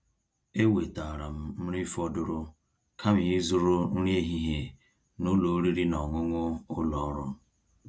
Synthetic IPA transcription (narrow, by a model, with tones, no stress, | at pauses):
e˦we˨ta˨ɾa˨m̩˦m̩˦ɾi˦fɔ˦dʊ˦ɾʊ˦ | kʰa˦m˨i˦zʊ˦ɾʊ˦n̩˦ɾe˦ɦi˦ɦe˨ | nʊ˦lo˨˦ɾi˦ɾi˦nɔ˨ŋʷʊ˦ŋʷʊ˦ʊ˦lɔ˨˦ɾʊ˦m̩˦